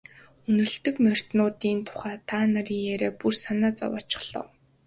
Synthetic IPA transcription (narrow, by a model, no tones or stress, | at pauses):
ɵnɵ̆ɮt̪ɵ̆kmœr̥ʲt̪nʊːt̪iːnt̪ʰʊ̥χæːt̪ʰaːnaɾiːŋjæɾeːpursanaːt͡sɔ̰wɔ̰ːt͡ɕɪ̥̆χɮ̥ɞ̰̆w